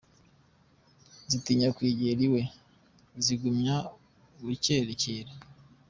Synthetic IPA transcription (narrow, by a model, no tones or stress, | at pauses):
zitiɲakwiːɟeɾiwe̞ | ziɡumɲa | uiceɾeceɾe